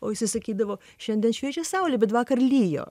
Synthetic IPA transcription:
oːjɪsʲɪsɐkʲiːd̪ɐʋoː | ʃʲɛnʲd̪ʲɛnʃʲʋʲiɛt͡ʃʲosɑʊlʲɪbʲɛt̪ʋɑːkɐrlʲiːjo̰ː

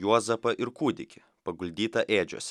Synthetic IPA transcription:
juɔzɐpɐʔɪɾkuːd̪ʲɪkʲɪ | pɐɡʊlʲd̪ʲiːt̪ɐʔeːd͡ʒʲṵsʲ

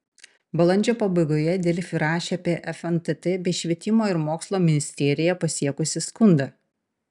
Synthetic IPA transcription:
bɐlˠɐnʲd͡ʒʲoːpɐbɐɪɡoːjɛd̪ʲeːlʲɪfʲɪɾɑːʃʲeaːpʲiɛʔɛfɛnt̪ɛt̪ɛbʲɛɪʃʲʋʲiɛt̪ʲɪmoːɪɾmoːkslˠoːmʲɪnʲɪsʲt̪ʲeːɾʲɪjɛpɐsʲiɛkʊsʲɪskʊnd̪ɐ

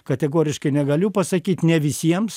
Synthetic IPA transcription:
kɐt̪ʲɛɡoːɾʲɪʃkɐɪnʲɛɡɐlʲʊpɐsɐkʲiːt̪nʲɛʋʲɪsʲiɛms

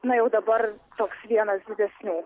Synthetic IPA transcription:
nʊjɛʊd̪ɐbɐɾt̪oːksʋʲiɛnɐsd̪ʲɪd̪ʲɛsʲnʲuː

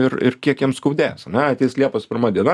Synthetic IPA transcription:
ɪrɪ̰rkʲiɛkjɛmskɐʊd̪ʲæ̰ːsɐnʲɛɐt̪ʲɛɪslʲiɛpɐspʲɪɾmɐːd̪ʲiɛnɐ

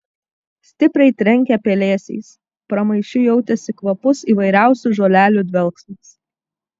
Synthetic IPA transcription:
sʲt̪ʲɪpʲɾʲɛɪt̪ʲɾʲɛŋʲkʲɛpʲeːlʲeːsʲɛ̰ɪs | pɾɐmɐɪʃʲʊjɛʊt̪ʲɛsʲɪkʋɐpʊsiːʋɐɪɾʲæˑʊsʲʊʒoːlʲæːlʲud̪ʲʋʲɛlˠksɐs

